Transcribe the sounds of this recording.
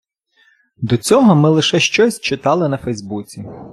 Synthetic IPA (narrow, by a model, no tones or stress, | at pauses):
d̪ɔt͡sʲɔɦɔmɪlˠɪʃɛʃt͡ʃɔsʲt͡ʃɪt̪ɑlˠɪnɐfɛjzbut͡sʲi